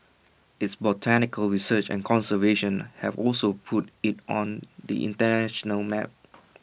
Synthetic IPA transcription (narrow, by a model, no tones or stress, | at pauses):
ʔɪtsbɔtʰænɪkəlɹisət͡ʃɛ̰̃nkʰɔ̃nsəveʃə̃nhɛvɔlsopʰutɪtʔɔ̃nd̪ḭʔɪ̰̃ntənæʃənəlmɛ̰p̚